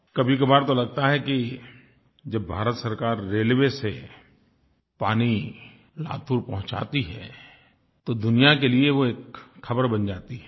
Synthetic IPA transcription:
kɐbʱikɐbaːɾt̪olɐɡ̚t̪aɦɛki | d͡ʒɐbːʱaːɾət̪sɐɾkaːɾːeːlʋese | paːni | la̰ːt̪ʰuːɾpɐɦʊ̃t͡ʃa̰ːt̪iɦɛː | t̪od̪ʊnijakelieʋoeːkxʰɐbəɾbɐnd͡ʒaːt̪iɦɛ

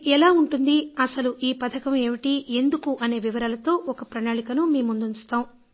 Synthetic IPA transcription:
ɛlaːuɳʈund̪iɐsɐluʔiːpɐt̪ʰɐkɐme̞ʋiʈie̞nd̪ukuʔɐne̞ːʋiʋɐɾaːlɐt̪o̞ːʔɔkɐpɾɐnaːɭikɐnumiːmund̪unt͡ʃu̥t̪aːmu

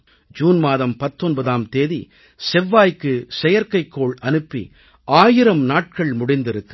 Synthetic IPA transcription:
d͡ʒuːnmaːðɐmpɐt̪ːɔnbɐðaːmt̪eːðḭ | sɛʋːaːjkːɯsɛjɐɾkɐɪkːoːɭɐnɯpːḭ | ʔaːjɪɾɐmnaːʈ̚kɐɭmʊɽɪnd̪ɪɾɯkːɯ

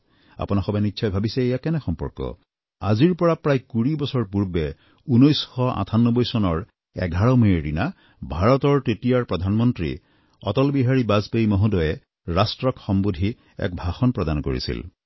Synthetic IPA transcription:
a̰punaxɔbanitːʃʰɔjbʱabisɛejakɛnɛxɔmpɔ̰ɹkɔ̰ | aziɹpɔɹapɹajkuɹibɔsɔɹpuɹbɛ | unojsxɔa̰tʰanːɔbɔjsɔnɔɹ | ɛ̰ɡʱaɹɔmeɹina | bʱaɹɔtɔɹtetijaɹpɹɔd̪ʱanmɔntɹḭ | ɔtɔlbiɦaɹibazpejmɔɦudɔjɛ | ɹastɹɔkxɔmbudʱi | ɛ̰k̚bʱaxɔnpɹɔdanko̰ɹḭsḭl

